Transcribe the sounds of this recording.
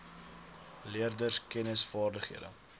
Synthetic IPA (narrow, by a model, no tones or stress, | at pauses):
liərdərskɛnəsfɑːrdəχhiədə̰